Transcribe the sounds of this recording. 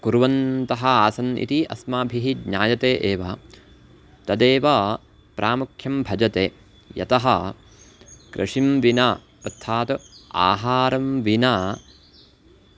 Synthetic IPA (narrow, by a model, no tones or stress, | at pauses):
kuɾʋɐnt̪ɐɦɐaːsɐnḭt̪iʔɐsmaːbʱiɦidɲaːjɐt̪eːʔeːʋɐ | t̪ɐd̪eːʋaː | pɾʔaːmukʰjɐmbʱɐd͡ʒɐt̪eː | jɐ̰t̪ɐɦɐ | kɾʔɐ̰ʂimʋinaː | ɐt̪ʰːaːt̪a̰ːɦaːɾɐmʋinaː